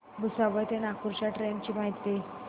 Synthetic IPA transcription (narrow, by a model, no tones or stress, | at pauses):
bəsaʋəjt̪enakuɾt͡ɕaʈɾent͡ɕiːmaɦit̪ːe